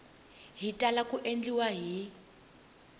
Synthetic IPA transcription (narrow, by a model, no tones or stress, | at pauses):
ɦitʼalakuʔend͡ɮiwaɦi